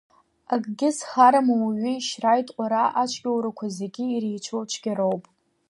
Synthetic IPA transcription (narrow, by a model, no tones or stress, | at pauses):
aɡʼɡʲɪsχaɾamawaɥiiʃrajtʼqʷʼaɾaʔat͡ʃʷʰʼɡʲʼawɾakʷʰazeɡʲɪːrijt͡ʃʷʰowt͡ʃʷʰɡʲaɾo̞wpʼ